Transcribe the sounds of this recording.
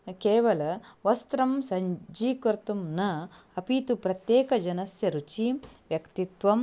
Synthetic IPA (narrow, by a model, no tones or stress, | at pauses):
keːʋɐlɐʋɐst̪ɾɐmsɐɲd͡ʒiːkɐɾt̪umnɐ | ɐpit̪upɾɐt̪jeːkɐd͡ʒɐnɐsjɐɾut͡ʃiʋjɐkt̪it̪ʋɐm